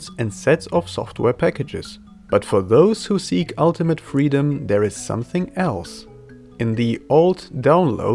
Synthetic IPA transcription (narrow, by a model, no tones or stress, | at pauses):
sɨ̃nsɛtsʌfsɔ̰ft̚ʰwɛɹpʰækɨd͡ʒɪ̰z̥ | b̥ʌtfə˞ðoʊz̥husikʰʌlˠtɨmɨtfɹiɾɨ̃mðɛ˞ɨz̥sʌ̰̃mθɪ̃ŋɛlˠs | ɨ̃nðioʊlˠddãʊ̃nlo̰ʊ